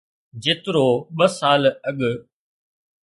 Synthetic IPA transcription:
d͡ʒɪt̪ɾoːɓɐsaːlɐɠ

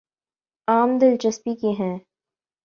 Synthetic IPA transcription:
aːmd̪ɪlt͡ʃɐspikiɦɛ̃ː

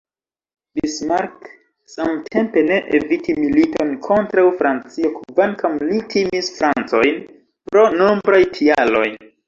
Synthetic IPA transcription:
bismaɾk | samtʰe̞mpe̞ne̞ʔḛvitimilito̞nkʰo̞ntɾawfɾant͡siokvankamlitʰimisfɾant͡so̞jn | pɾo̞nombɾajtʰialo̞̰j

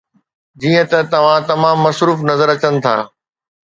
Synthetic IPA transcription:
d͡ʑiːə̃t̪ɐt̪ɐʋ̤ãt̪ɐmãːmːɐsɾuːfnɐzəɾɐt͡ɕənɪ̆t̪ʰa̰ː

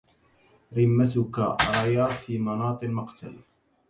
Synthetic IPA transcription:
ɾɪmːat̪ʊkaɾˤɑjaːfiːmɑnɑːt̪ˤɨnmaqt̪al

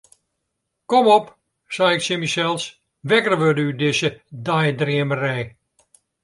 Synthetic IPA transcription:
kɔmɔp | sɛjɪksɪmisɛlˠs | ʋɛkərʋødəydɪsədajdriəmərɛj

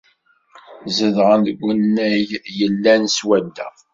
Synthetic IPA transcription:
zəðʁənðəɡʷːənːæjjəlːænswæd̪ːæ̰

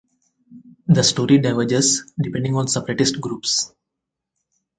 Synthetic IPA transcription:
d̪əsʈoːɾiɖaɪʋəd͡ʒesɖipẽɳɖɪ̃ŋɔ̃ːnsepəɾeʈɪsʈɡɾuːps

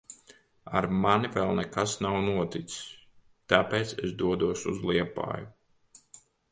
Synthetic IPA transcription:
a̰ɾmanivɛlˠnɛkasnawnuɔt̪it̪s | t̪apeːt̪sḛsd̪uɔd̪uɔsuzlˠiɛpa̰ːju

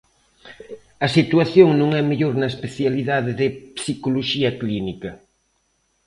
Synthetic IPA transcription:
ɐsit̪waθjoŋnõŋɛmeʎoɾnɐespeθjaliðaðeðɪpsikoloʃiɐklinikɐ

